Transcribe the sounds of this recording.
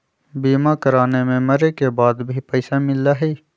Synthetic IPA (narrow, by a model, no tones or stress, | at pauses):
biːmakɐɾaːnemẽmɐɾekebaːd̪bʱipɐɪsamɪlaɦiː